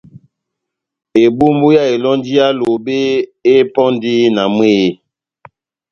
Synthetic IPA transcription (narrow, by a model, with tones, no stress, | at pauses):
e˨bu˦mbu˦ja˦˨e˨lɔ˦n˦di˦a˦lo˨be˦e˦pɔ˦ndi˦na˨mwe˦˨